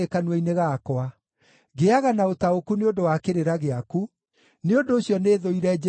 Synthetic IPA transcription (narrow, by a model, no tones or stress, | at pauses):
ekanwɛineɣaːkoa | ɣeaɣanaotaokuneondowakeɾeɾaɣeaku | neondoːɕjɔneːðoiɾɛd͡ʒ